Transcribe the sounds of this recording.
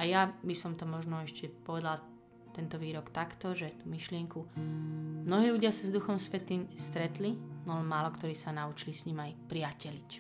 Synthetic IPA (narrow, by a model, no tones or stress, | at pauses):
ajabisɔmt̪ɔmɔʒnɔɛʃcɛpɔʋɛd̪al | t̪ɛnt̪ɔʋiːɾɔkt̪akt̪ɔʒɛt̪umiʃlɪɛŋku | mnɔɦiːluɟɪasazd̪uxɔmsʋɛt̪iːmst̪ɾɛt̪linɔlɛmaːlɔkt̪ɔɾiːsanaut͡ʃilisɲimajpɾiacɛlic